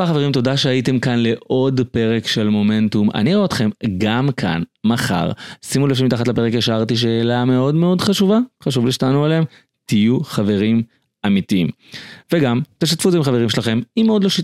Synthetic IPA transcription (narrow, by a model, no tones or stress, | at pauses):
baχaveʁimt̪o̞daʃeajite̞mkanle̞ʔo̞dpe̞ʁe̞kʃe̞lmo̞me̞ntuma̰niʁoot̪χe̞mɡamkʰa̰nmaχa̰ʁsimulefimit̪aχatlape̞ʁekjaʃaʁt̪iʃ̬e̞ːlame̞o̞dme̞o̞dχaʃuvaχaʃ̬uvliʃtanualem | t̪ijuχave̞ʁim | amitiim | veɡamt̪eʃat̪fuzeimχaveʁimʃelaχe̞mimeo̞d̪lo̞ʃi